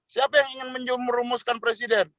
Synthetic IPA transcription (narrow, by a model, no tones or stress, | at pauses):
siapajaŋiŋɪnməɲd͡ʒumməɾumuskanpɾesidɛn